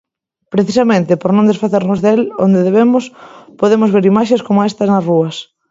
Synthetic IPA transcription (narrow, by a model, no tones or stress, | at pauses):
pɾeθisɐmẽnt̪ɪpoɾnõnd̪esfaθeɾnozðelond̪eðeβemʊspoðemʊzβeɾimaʃeskomoest̪ɐsnɐsruɐs